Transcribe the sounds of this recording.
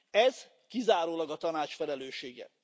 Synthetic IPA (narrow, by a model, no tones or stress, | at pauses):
ɛz̥ | kizaːɾoːlɒɡɒt̪ɒnaːt͡ʃfɛlɛløːʃeːɡɛ̰